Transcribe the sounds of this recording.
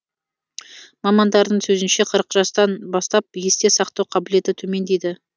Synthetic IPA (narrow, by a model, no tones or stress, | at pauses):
mɑmɑnd̪ɑɾd̪əɴsɵzɪnʃe̞qʰəɾəqʒ̥ɑst̪ɑnbɑst̪ɑp̚je̞st̪e̞sɑqt̪ɑwqʰɑbɪle̞t̪ɪt̪ʰɵme̞nd̪e̞jd̪ɪ